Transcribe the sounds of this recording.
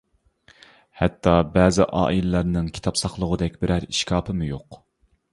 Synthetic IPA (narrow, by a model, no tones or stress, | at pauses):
hɛt̪ʰːɑbɛːzɪʔɑ̰ːʔilɪlæɾnɪŋkʲʰi̥t̪ʰɑpsɑχlˠəʁəd̪ɛkʲbɪɾæɾiʃkʲʰɑːpʰɨmujoq